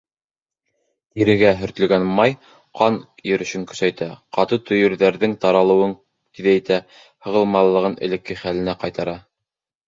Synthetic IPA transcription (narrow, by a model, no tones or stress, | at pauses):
t̪iɾɘ̆ɡæɦɵ̆ɾt̪ɵ̆lɡænmɑj | qʰɑnjɵ̆ɾɵ̆ʃɵŋkɵ̥̆sæjt̪æqɑt̪ɤt̪ɵ̆jɵ̆ɾðæɾðɘŋt̪ɑɾɑlˠɤ̆wɤŋ | t̪iðæj̆t̪æ | hɤ̆ʁɤ̆lˠmɑlˠːɤ̆ʁɤnɘ̰̆lɘ̆kːɘχælɘ̆næqɑjt̪ɑɾɑ